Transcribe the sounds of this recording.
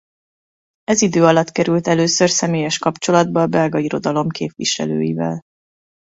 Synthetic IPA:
ɛzid̪øːɒlɒt̪kɛɾylt̪ɛløːsørsɛmeːjɛʃkɒpt͡ʃo̞lɒd̪̚bɒlbɛlɡɒiɾo̞d̪ɒlo̞mkʰeːpʋiʃɛ̰lø̰ːjḭvɛ̰l

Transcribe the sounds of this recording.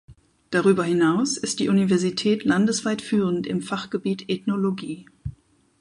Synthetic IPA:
d̥aʁyːbɐhɪnaʊsɪst̚d̥iːʔunivɛɐzitʰɛːtʰlandəsv̥aɪtfyːʁən̩tɪmfaχɡ̥əbiːtʰɛtnoloɡiː

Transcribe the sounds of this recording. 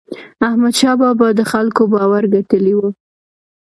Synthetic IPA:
ahmad̪ʃɑbɑbɑd̪əxalkobɑwaɾɡaʈəliwu

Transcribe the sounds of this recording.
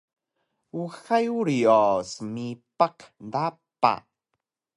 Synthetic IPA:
uxajuɾiosəmipaqndapa̰

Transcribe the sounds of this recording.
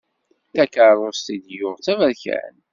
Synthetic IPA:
θækəɾˤoɾst̪id̪jʊʁt͡sævæɾçæ̰n

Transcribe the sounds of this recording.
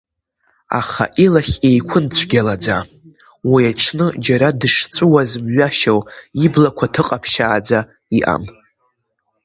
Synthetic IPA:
a̰χa̰ʔilaχʲe̞jkʷʰʊnt͡sʷʰɡʲalad͡za | wijaʈ͡ʂʰnɨd͡ʒaɾadɨʂt͡sʷʼʊwazmɥaʃawiblakʷʰatʰɨqʼapʰʃaːd͡za | iʔa̰m

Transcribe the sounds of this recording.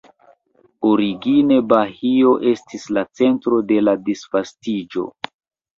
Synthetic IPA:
oɾiɡine̞bahio̞ʔe̞stislat͡se̞ntɾo̞de̞ladisfastid͡ʒo̞̰

